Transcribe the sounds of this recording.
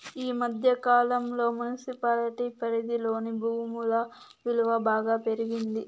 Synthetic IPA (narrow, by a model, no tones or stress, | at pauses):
iːmɐd̪ʱjɐkaːlɐmlo̞ːmunisipaːlʈipɐɾid̪ilo̞ːnibʱuːmulɐ | ʋilʋɐbaːɡaːpe̞ɾiɡind̪i